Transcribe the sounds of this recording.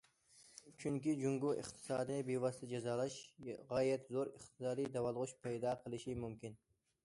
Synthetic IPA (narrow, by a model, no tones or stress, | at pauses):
t͡ʃʰyŋkʲid͡ʒuŋɡʊʔɪ̰qt̪ʰɨ̥sɑːd̪ijbevɑst̪ɪd͡ʒɛzɑːlˠɑʃʁɑːjɛt̪zoɾɪχt̪ʰɨ̥sɑːd̪ijd̪ɑwɑlˠʁʊʃpʰɛjd̪ɑqʰəlˠɪʃimumkʲʰɪn